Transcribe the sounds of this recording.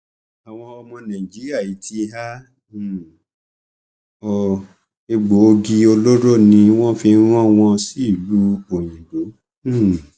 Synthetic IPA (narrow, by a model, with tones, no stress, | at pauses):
a˨w̃ɔ̃˧ɔ˧mɔ̃˧nã˨i˨d͡ʒi˨˦ɾi˦a˦˨i˨˦tʰi˧˦ɦa˦˨ | ɔ˨ | e˧ɡ͡bo˨˦o˧ɡi˧o˧lo˦ɾo˦˨nĩ˧w̃ɔ̃˦fi˧˦ɾ̃ɔ̃˦w̃ɔ̃˧si˦˨lu˦o˨j̃ĩ˨lo˨˦